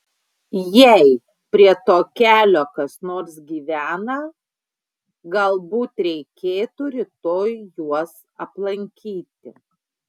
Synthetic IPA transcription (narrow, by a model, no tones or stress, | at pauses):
jɛɪ | pʲɾʲiɛt̪oːkʲæːlʲoːkɐsnoːɾsɡʲiːʋʲæːnɐ | ɡɐlˠbuːt̪ɾʲɛɪkʲeːt̪uɾʲɪt̪oːjjuɔs | ɐplˠɐŋʲkʲiːt̪ʲɪ̰